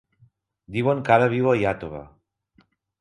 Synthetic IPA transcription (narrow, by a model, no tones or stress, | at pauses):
d̪iwəŋkaɾaβ̞iwajat̪oβa̰